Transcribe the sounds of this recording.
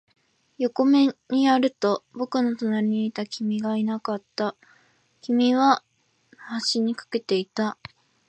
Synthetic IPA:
jo̞ko̞me̞ɲ̟iaɾɯ̟t̪o̞bo̞kɯ̟no̞t̪o̞naɾʲiɲ̟iːt̪akʲimʲiɡainakat̪ːa | kʲimʲiβa | haɕiɲ̟ikḁke̞t̪e̞it̪a

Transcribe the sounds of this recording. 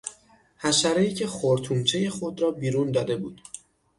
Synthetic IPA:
hæʃæɾeiːcʰe̞χoɾt̪ʰuːmt͡ʃʰe̞je̞xod̪ɾɒːbiːɾuːnd̪ɒːd̪e̞buːd̪̥

